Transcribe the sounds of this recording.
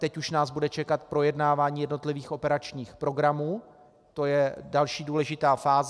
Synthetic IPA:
t̪ɛcuʃnaːzbudɛt͡ʃɛkat̪pɾo̞jɛdnaːvaːɲiːjɛdno̞t̪lɪviːxʔo̞pɛɾat͡ʃɲiːxpɾo̞ɡɾamuː | t̪o̞jɛdalʃiːduːlɛʒɪt̪aːfaːz

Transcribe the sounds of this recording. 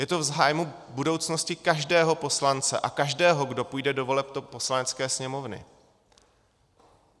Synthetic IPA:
jɛt̪o̞vzɦaːjmu | budo̞wt͡sno̞scɪkaʒdɛːɦo̞po̞slant͡sɛʔakaʒdɛːɦo̞ɡdo̞pujdɛdo̞vo̞lɛp̚t̪opo̞slanɛt͡skɛːsɲɛmo̞vnɪ̰

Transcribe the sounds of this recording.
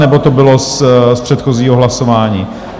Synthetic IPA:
nɛbot̪obɪlosspr̥ɛt̪xoziːɦoɦlasovaːɲiː

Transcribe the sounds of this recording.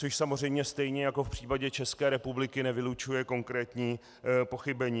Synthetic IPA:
t͡soʃsamorɛjmɲɛst̪ɛjɲɛjako̞fpr̝̥iːpaɟɛt͡ʃɛskɛːɾɛpublɪkɪnɛvɪlut͡ʃujɛko̞ŋkɾɛːt̪ɲiː | po̞xɪbɛɲiː

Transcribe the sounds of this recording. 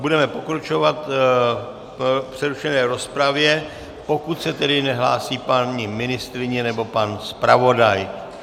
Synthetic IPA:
budɛmɛpo̞kɾat͡ʃo̞vat̪ | pr̝̥ɛɾuʃɛnɛːɾo̞spɾavjɛ | po̞kut̪sɛt̪ɛdɪnɛɦla̰ːsiːpaɲɪmɪnɪst̪ɾɪɲɛnɛbo̞panspɾavo̞daj

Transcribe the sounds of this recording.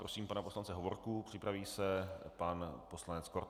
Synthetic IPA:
pɾosiːmpanaposlant͡sɛɦovoɾkupr̥ɪpɾaviːsɛpanpo̞slanɛt͡skoɾ

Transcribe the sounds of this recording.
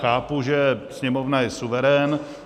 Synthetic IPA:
xaːpuʒɛsɲɛmovnajɛsuvɛɾɛːn

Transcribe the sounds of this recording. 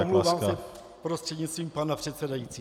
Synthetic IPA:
mlovaːmsɛ | pɾost̪r̥ɛdɲit̪st̪viːmpanapr̝̥ɛt̪sɛdajit͡siː

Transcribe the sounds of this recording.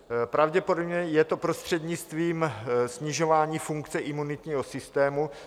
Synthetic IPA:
pɾavɟɛpo̞dobɲɛjɛt̪o̞pɾo̞st̪r̝̥ɛd̪ɲɪt͡st̪viːmsɲɪʒo̞vaːɲiːfuŋkt͡sɛʔɪmunɪt̪ɲiːɦo̞sɪst̪ɛːmu

